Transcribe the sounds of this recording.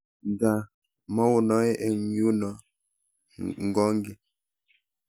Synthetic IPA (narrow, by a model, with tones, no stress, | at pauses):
ŋ˨ɡa˨ | mɔ˦wu˨nɔ˦e˦ʔe˨u˦nɔ˨˦ | ŋ̩˨ɡɔ˦ŋ˦ɡi˨